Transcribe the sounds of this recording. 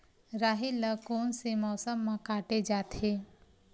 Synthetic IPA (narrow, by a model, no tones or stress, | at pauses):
ɾaːɦiləkoːnsemɔːsəmːãkaːʈed͡ʒaːt̪ʰe